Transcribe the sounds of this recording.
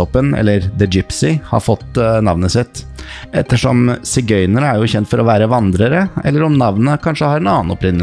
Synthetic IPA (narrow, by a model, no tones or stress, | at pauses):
ɔpːənɛ̰lːəɾd̪əd͡ʒɪpsɪhɑ̰ɾfɔt̪ːnɑʋnəsɪt̪ː | ɛt̪ːəʂɔmsɪɡœʏnənæɾjʊçɛnt̪fɔɾɔʋæːɾəʋɑnd̪ɾəɾəʔɛ̰lːəɾɔmnɑʋnəkʰɑnʂəhɑɾɛnɑːnɔpɾɪnːə